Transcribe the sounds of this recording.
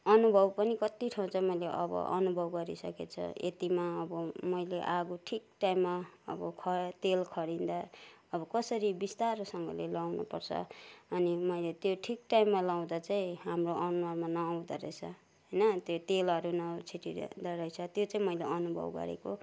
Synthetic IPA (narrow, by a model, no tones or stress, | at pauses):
ʌnubʱʌbpʌnikʌt̪iʈʰaw̃t͡sʰʌmʌjleʔʌ̰bʌ̰ʔʌ̰nubʱʌbɡʌɾisʌ̰ket͡sʰʌ̰ḛt̪imaʌbʌmʌjleʔaɡuʈʰik̚ʈajmːaʌ̰bʌkʰʌt̪elkʰʌɽind̪aʌbʌkʌsʌɾibist̪aɾosʌŋɡʌ̰lelawnṵpʌ̰rt͡sʰʌ̰ʌnimʌjlet̪joʈʰikʈaimːalaw̃d̪at͡saĩɦamroʔʌnuʌmanʌːw̃d̪aɾʌ̰t͡sʰʌ | ɦʌjnʌt̪jot̪elʌɾunʌt͡sʰiʈid̪aɾʌjt͡sʰʌt̪jot͡sãĩmʌjleʔʌnubʱʌ̰bɡʌ̰ɾḛko